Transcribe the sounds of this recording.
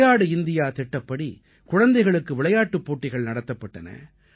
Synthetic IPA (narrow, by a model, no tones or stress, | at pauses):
jaːɽɯɪnd̪ɪjaːt̪ɛʈːɐpːɐɽi | kʊɻɐnd̪ɐɪɣɐɭɯkːɯʋɪɭɐjaːʈːɯpːoːʈːɪɣɐɭnɐɽɐt̪ːɐpːɐʈːɐnɐ̰